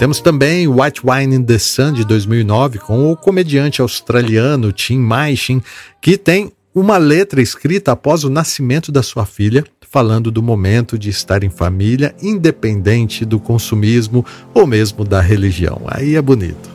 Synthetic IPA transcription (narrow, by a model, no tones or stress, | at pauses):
t̪ẽmʊst̪ɐ̃mbẽj̃wajt͡ʃ̪wajnĩd̪esɐ̃d͡ʒɪd̪ojzmiwinɔvɪkõw̃ʊkomed͡ʒiɐ̃nt͡ʃɪawst̪ɾaliɐ̃nʊt͡ʃĩmajʃĩkɪt̪ẽj̃ | ũmɐlet̪ɾɐɪskɾit̪ɐapɔzʊnasimẽnt̪ʊd̪ɐsuɐfilɐ | falɐ̃nd̪ʊd̪ʊmomẽnt̪ʊd͡ʒɪɪst̪aɾẽj̃fa̰miljɐĩd̪epẽnd̪ẽnt͡ʃɪd̪ʊkõsumizmʊowmezmʊd̪ɐɦeliʒiɐ̰̃w̃a̰iɛbʊnḭt̪ʊ̥